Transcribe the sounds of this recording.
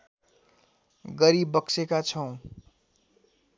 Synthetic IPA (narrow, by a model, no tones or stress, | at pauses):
ɡʌɾibːʌksekat͡sʰʌ̃w̃